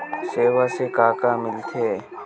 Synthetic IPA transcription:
seːʋaːseːkaːkaːmɪlt̪ʰeː

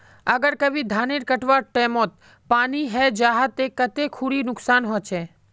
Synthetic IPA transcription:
əɡəɾkəbid̪ʱaːneɾkəʈʋaʈɛːmot̪̚ | paːniɦɛd͡ʒaːɦat̪ekːət̪ekʰuɽinʊksaːnɦɔt͡ʃʰe

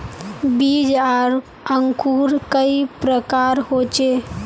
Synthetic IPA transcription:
bid͡ʒaɾ | əŋkuːɾkəipɾəkaːɾhot͡ʃe

